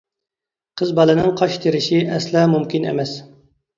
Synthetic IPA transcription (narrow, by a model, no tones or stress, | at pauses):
qʰəzbɑlˠɨnɨŋqʰɑʃt̪ʰeɾɪʃiʔɛslˠɑmumkʲinḛmɛs